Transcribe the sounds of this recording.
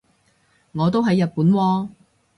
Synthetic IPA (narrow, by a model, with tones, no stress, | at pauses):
ŋɔː˨˧t̪o˥wɦɐ˨˧jːɐ˨t̚puː˨˥nwɔː˧